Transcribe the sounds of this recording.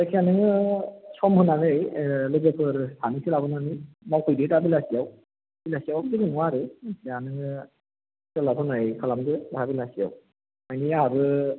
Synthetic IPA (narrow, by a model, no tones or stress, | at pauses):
kʰianɯŋɯsɔmhɯnanɯjlɯɡepʰɯɾtʰanisʰilabɯnani | mawkʰɔjdejtabilasijaw | bilasijawabɯdɯkɯnuwaɾɯkʰianɯŋɯ | sɯlapʰɯnajkʰalamdɯbahabilasija̰w | majnijaɾɯ